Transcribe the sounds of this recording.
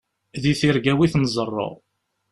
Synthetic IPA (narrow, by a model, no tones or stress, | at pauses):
ðiθiɾɡæwiθnzˤərˤːo̰ʁ